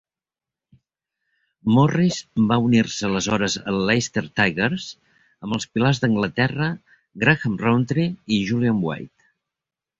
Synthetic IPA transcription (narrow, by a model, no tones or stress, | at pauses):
mɔrizbaunirsələzɔɾəzə̰llejst̪əɾt̪ajɣəɾz | əmbəlˠspilazðəŋɡlət̪ɛrə | ɡɾaɣəmront̪ɾiːʒuliambwa̰jt̪